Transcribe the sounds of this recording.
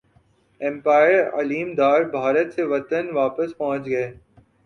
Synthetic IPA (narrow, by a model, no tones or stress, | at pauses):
ɛ̃mpaːɪəɾɐ̰liːmd̪aːɾbʱaːɾət̪seʋɐt̪ənʋaːpəspɐɦʊ̃t͡ʃɡɐeː